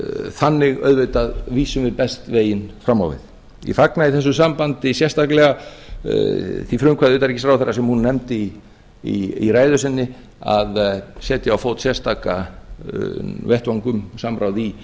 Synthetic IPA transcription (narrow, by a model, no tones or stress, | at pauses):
θanːɪɣœ̰ðveɥt̪aðviːsʏmvɪðpɛst̪veːjɪnfɾamːa̰wvɪ̰ð̥ | ḭfaknaiθɛs̬ːʏsampant̪ɪsjɛ̥st̪aklɛɣa | θifɾʏŋkʰaðʏːt̪aɾicɪst̪ɾawθɛrːasɛmhunːɛmt̪ɪ | iiɾaːjðʏsɪnːɪ | a̰ðsɛːt̪jɪawfowt̪sjɛst̪aka | vɛht̪vaŋkʏmsamɾʔawði